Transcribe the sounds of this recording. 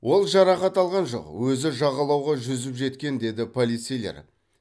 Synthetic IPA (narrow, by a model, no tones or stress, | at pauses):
wo̞lˠʒɑɾɑχɑt̪ɑlˠʁɑnʒo̞̰qwɵzɪʒɑʁɑlˠɑwʁɑʒʏzɪpʒe̞t̪kʲe̞nd̪e̞d̪ɪpʰo̞lʲˠit̪sejlʲe̞̰ɾ